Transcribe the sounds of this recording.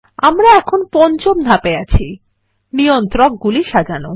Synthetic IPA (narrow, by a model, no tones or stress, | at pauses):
amɾaɛkʰonpɔnt͡ɕomd̪ʱapeat͡ɕʰi | nijont̪ɾɔk̚ɡuliʃad͡ʑano